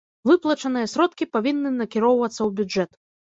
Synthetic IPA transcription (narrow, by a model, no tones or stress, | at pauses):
vɨplˠɐt͡ʂɐnɨjɐsʲɾɔt̪kʲipavʲinːɨnɐkʲiɾɔwvɐt̪sːɐwbʲud͡ʐɛt̪